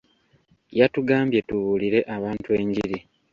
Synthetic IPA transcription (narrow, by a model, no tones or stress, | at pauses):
jatuɡaːmbje̞tuβuːliɾe̞ʔaβaːntue̞ːɲɟiɾi